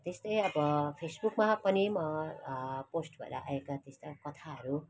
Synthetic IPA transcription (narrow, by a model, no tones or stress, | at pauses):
t̪est̪ʌjʌbʌpʰesbukmapʌnimʌ | posʈbʱʌ̰ɾa̰ʔa̰ekat̪est̪akʌt̪ʰaɦʌɾu